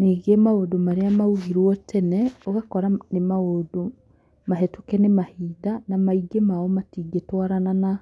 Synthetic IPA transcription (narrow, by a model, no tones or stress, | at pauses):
niːɡemaodomaɾeamauɣiɾwɔtʰɛnɛoɣakɔɾanemaodo | maɦɛtokɛnemahiːdanamaiɡemaɔmatiɡetwaɾanana